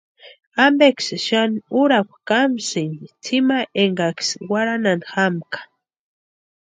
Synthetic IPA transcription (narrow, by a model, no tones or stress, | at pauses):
ambeksʃanuɾakʷkamsinit͡sʰimaʔeŋɡakswaɾananxamkḁ